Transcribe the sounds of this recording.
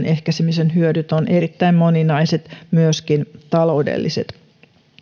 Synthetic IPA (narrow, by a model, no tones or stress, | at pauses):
nʔehkæsimisenɦyødyt̪onʔe̞ɾit̪ːæimmo̞ninɑiset̪myøskint̪ɑlo̞udḛlːʔise̞̰t̪